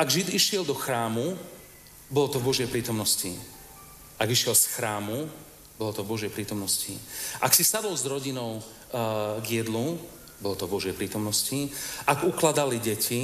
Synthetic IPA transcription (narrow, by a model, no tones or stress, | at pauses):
aɡʒid̪iʃɪɛld̪ɔxɾaːmu | bɔlɔt̪ɔvbɔʒjɛjpɾiːt̪ɔmnɔsci | aɡiʃɪɛlsxɾaːmu | bɔlɔt̪ɔvbɔʒjɛjpɾiːt̪ɔmnɔsciʔaksisad̪ɔlzɾɔɟinɔʊ | ɡjɛd̪lu | bɔlɔt̪ɔvbɔʒjɛjpɾiːt̪ɔmnɔsciaɡuklad̪aliɟɛcʰi